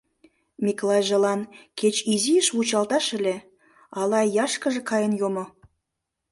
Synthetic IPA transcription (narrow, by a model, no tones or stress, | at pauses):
mʲikolɑjʒelɑnket͡ɕiziəʃβut͡ɕɑlt̪ɑʃə̆le | ɑlɑjɑʃkə̆ʒĕkɑjənjomo